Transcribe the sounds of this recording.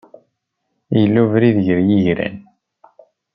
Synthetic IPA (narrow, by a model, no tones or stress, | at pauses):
jəlːuvɾiðəʝəɾjiʝɾæ̰n